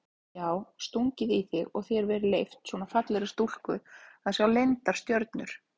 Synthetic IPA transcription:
jaːwst̪uɲcɪðiθɪɣɔɣθjɛɾvɛːɾɪlejft̪swɔːnafat̪lɛɾɪst̪ul̥kʏaðsjawlejnt̪aɾ̥st̪jœɾt̪nʏɾ̥

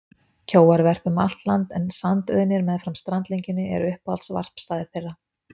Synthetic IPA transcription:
cʰoːwaɾvɛr̥pʏma̰l̥t̪lant̪ɛnsant̪œ̰ðnɪɾmɛðfɾamst̪ɾant̪leɲcɪnːɪɛ̰ɾʏhpha̰lt̪sva̰r̥pst̪aːðɪθejrːa

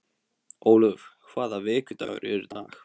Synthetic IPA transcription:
oːwlœfkʰvaːðavɪːcʏt̪a̰vʏ̰ɾʔɛɾʏt̪aːx

